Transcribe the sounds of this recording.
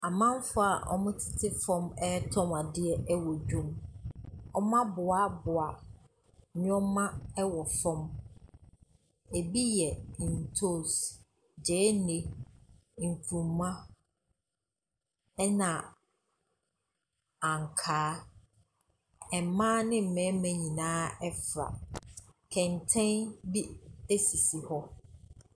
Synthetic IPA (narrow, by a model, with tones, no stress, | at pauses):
a˨mã˦m˦fʊ˦a˨ʔɔ̰˦mʊ̃˦tʰɪ̥˨tʰɪ˦fɔ̃˦mɛ˦tʰɔ̃˦ma˨dɪ˦ɛ˦ɛ˦wɔ˨d͡ʑᶣũ˦m | ɔ˦m˦ã˦bʊ˨a˦bʊ˨a˨ | ɲ˦ɔ̃˦mã˦ɛ˦wɔ˨fɔ̃˦m | e˨bi˦jɛ˨n̩˨tʰo˦˨s | d͡ʑɛː˨˦nẽ˨ | ŋ̩˨kʰũ˨mmːã˦ | ɛ˦nã˨ | ã˨ŋ˨kʰaː˨˦ | ɛ˨mãː˦nɪ̃˦m̩˨mɛ̃˨˦mæ̃˨ɲĩ˨nãː˦ɛ˦fɾa̰˨ | kʰɛ̃˨n˨tʰɛ̃˦nbi˦e˦si˨si˨hɔ˦